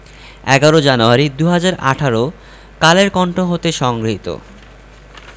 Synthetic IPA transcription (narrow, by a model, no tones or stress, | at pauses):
ɛ̰ɡaɾod͡ʑanuaɾid̪uɦad͡ʑaɾa̰ʈʰaɾo | kaleɾkɔɳʈoɦot̪eʃɔŋɡɾoɦit̪o̰